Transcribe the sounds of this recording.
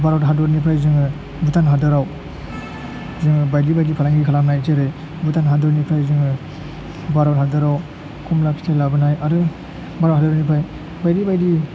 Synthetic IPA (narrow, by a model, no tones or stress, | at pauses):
baɾawtɦadɔɾnipʰajzɯŋɯ | butanɦadɯɾaw | zɯŋɯbajdibajdipʰalaŋɡikʰalamnajteɾɯj | butanɦadɔɾnipʰajzɯŋɯ | baɾawt̚ɦhadɯɾaw | kʰumlakstʰalabɯnajaɾɯ | baɾawthadɯɾanipʰaj | bajdibajdi